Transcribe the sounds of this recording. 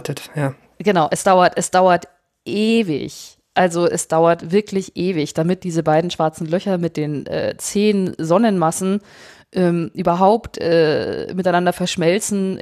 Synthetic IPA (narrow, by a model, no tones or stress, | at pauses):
tʰətjaː | ɡ̥ənaʊʔɛsd̥aʊɐtʔɛsd̥aʊɐt | ʔeːvɪ̰ç | ʔalzoʔɛsd̥aʊɐtv̥ɪɐklɪçʔeːvɪçd̥amɪt̚d̥iːzəbaɪdn̩ʃv̥aɐt͡sn̩lœçɐmɪt̚d̥eːnʔɛ̰ːt͡seːnzɔnənmasn̩ | ʔɛːmʔyːbɐɦaʊptʔɛːmɪtaɪnandɐfɛɐʃmɛlt͡sn̩